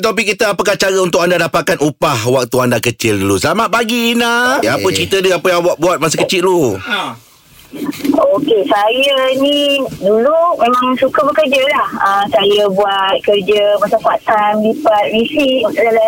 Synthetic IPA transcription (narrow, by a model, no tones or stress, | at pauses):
t̪ap̬ikit̪əapəkaht͡ʃaɾəunt̪ʊkandadapat̪̚kanupahwak̚t̪uandakət͡ʃɪluluslamaʔ̚paɡiːnaapət͡ʃəɾit̪ədəapəjaŋbuat̪̚buat̪̚mas̬əkət͡ʃɪlu | okesajənĩdulumẽmãŋsukabəkərd͡ʒəlahəmsajəbuat̪̚kərd͡ʒəmasakuat̪anlipat̪̚ɾisiut̪udala